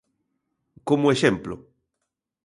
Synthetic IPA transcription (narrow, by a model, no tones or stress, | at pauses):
komoeʃemplʊ̰